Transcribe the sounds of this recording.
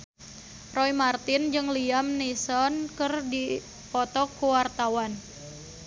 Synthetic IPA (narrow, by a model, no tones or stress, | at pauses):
rɔimart̪ɪnd͡ʒɨŋliamnisɔnkɨrdi | pɔt̪ɔkuwart̪awan